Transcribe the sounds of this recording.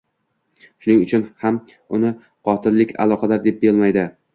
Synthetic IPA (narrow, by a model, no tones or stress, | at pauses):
ʃʊnɪŋʊt͡ʃʰʊnham | ʊnɪ | qʰɒt̪ʰɪlːɪkʲa̰lˠɒqʰɑd̪aɾd̪e̞p̚belmajd̪ɪ